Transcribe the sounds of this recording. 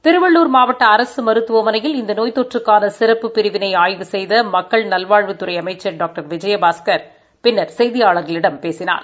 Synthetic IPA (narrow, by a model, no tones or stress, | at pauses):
t̪ɪɾɯʋɐɭːuːɾmaːʋɐʈːɐːɾɐsɯmɐɾɯt̪ːɯʋɐmɐnɐjɪlɪnd̪ɐnoːjt̪ːɔʈrɯkːaːnɐsɪɾɐpːɯpːɪɾɪʋɪnɐɪaːjðɯsɛjðɐmɐkːɐɭnɐlʋaːɻʋɯt̪ːɯɾɐɪɐmɐɪt͡ʃːɐɖaːk̚ʈɐɾʋɪd͡ʒɐjɐbaːskɐɾ | pɪnːɐɾsɛjðɪjaːɭɐɾɣɐɭɪɽɐmpeːsɪna̰ːɾ